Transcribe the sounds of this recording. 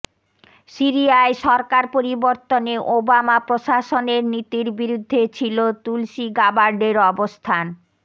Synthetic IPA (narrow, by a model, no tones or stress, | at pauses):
siɾiaeʃɔɾkaɾpoɾiboɾt̪oneʔobamapɾoʃaʃoneɾnit̪iɾbiɾud̪ʱːet͡ɕʰilot̪ulʃiɡabaɾɖeɾɔbost̪ʰan